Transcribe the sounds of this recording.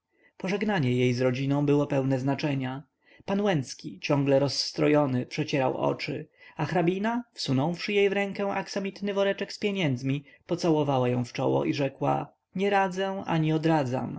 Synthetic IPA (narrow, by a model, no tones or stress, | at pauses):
pɔʐɛɡnaɲɛjejzɾɔd͡ʑinɔ̃w̃bɘwɔpɛwnɛznat͡ʂɛɲa | panwɛnt̪skʲit͡ɕɔ̃ŋɡlɛɾɔsːt̪ɾɔjɔnɘpʂɛt͡ɕɛɾawʔɔ̰t͡ʂɘ̰axɾabʲinafsunɔ̃w̃fʂɘjejvɾɛŋkɛ̃ʔaksamʲit̪nɘvɔɾɛt͡ʂɛkspʲjɛɲɛnd̪zmʲipɔt̪sawɔvawajɔ̃w̃ft͡ʂɔ̰wɔ̰ʔiʐɛkwa̰ | ɲɛɾad̪zɛa̰ɲiɔd̪ɾad̪za̰m